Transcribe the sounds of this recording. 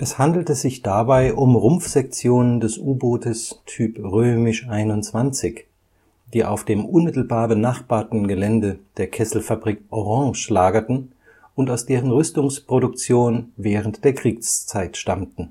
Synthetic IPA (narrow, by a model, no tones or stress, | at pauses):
ʔɛshandl̩təzɪçd̥abaɪʔʊmʁʊmfz̥ɛk̚t͡sjoːnəndɛsʔuːboːtəstʰyːpʁøːmɪʃʔaɪnʊnt͡sv̥ant͡sɪç | d̥iːʔa̰ʊfd̥eːmʔʊnmɪtl̩baːɐbənaχb̥aːɐtn̩ɡəlɛndəd̥eːɐkʰɛsl̩fabʁikʔɔʁɑ̃ŋʃlaːɡɐtn̩ | ʊntaʊsd̥eːʁənʁʏstʊŋspʁ̥oɾʊk̚t͡sjoːnvɛːʁ̞əntd̥eːɐkʁ̥iːkst͡saɪtʃtamtn̩